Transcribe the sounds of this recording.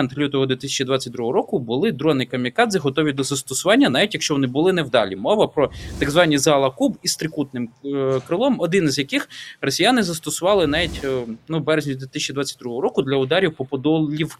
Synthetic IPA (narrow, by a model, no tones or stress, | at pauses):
nt̪lʲut̪ɔɦɔd̪ʋʲit̪ɪsʲɛ̥t͡ʃid̪ʋɑt͡sʲːɐt̚ʲd̪ɾuɦɔɾɔkʊbʊlˠɪd̪ɾɔnɪjkɐmʲikɑd̪zɨɦɔt̪ɔʋʲid̪ɔzɐst̪ɔsʊʋɑnʲːɐnɑʋʲitʲjɐkʃt͡ʃɔʋɔnɪbʊlˠɪnɛwd̪ɑ̰lʲimɔʋɐpɾɔt̪ɐɡzʋɑnʲːizɑlˠɐkubist̪ɾɪkut̪nɪmkɾɪlˠɔmɔd̪ɪnizʲjɐkɪxrɔsʲijanɪzɐst̪ɔsʊʋɑlˠɪnɑʋʲitʲnubɛɾezʲnʲid̪ʋʲit̪ɪsʲɛt͡ʃid̪ʋɑt͡sʲːɐt̚ʲd̪ɾuɦɔɦɔɾɔkʊd̪lʲɐʊd̪ɑɾʲiwpɔpɔd̪ɔlʲiw